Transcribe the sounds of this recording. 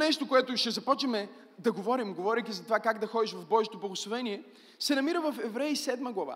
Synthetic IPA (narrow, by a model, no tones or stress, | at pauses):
nɛʃt̪okoɛt̪ʊʃt̪ɛzɐpɔt͡ʃəmɛ | d̪ɐɡovɔɾimɡovɔɾik̪ʲizɐt̪ovakaɡd̪ɐxɔd̪iʃvɐvbɔʒet̪oblˠɐɡoslˠovɛniɛ | sɛnɐmiɾəvɐfɛvɾɛjisɛd̪məɡlˠɐva̰